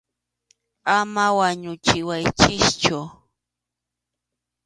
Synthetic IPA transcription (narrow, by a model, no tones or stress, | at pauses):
amawaɲʊt͡ʃɪwajt͡ʃɪʃt͡ʃʊ